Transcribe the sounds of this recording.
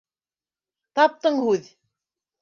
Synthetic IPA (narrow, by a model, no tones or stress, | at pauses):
t̪ɑp̚t̪ɤɴhʉð